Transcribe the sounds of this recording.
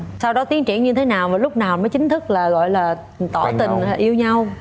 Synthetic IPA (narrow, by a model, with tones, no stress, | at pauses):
sa˧wɗɔ˨˦t̪i˨˦əŋt͡ɕḭ˧˩ənɲɨ˧t̪ʰe˨˦naː˨˩wvaː˨˩lʊ˦˥k͡p̚naː˨˩wnməː˨˦jt͡ɕï˨˦ŋ̟t̪ʰɨ˦˥k̚laː˨˩ɣɔ̰˧˨jlaː˨˩ | t̪ɔ˧˩t̪ï˨˩ŋː˨˩ʔi˧əwɲa˧w